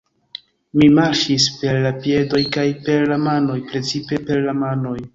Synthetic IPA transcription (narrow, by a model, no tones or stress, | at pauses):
mimaɾʃispe̞ɾlapie̞do̞jkajpe̞ɾlamano̞jpɾe̞t͡sipe̞pe̞ɾlamano̞j